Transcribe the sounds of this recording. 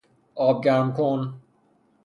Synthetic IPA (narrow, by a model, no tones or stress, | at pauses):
ɔːb̚ɡaːmkʰoːn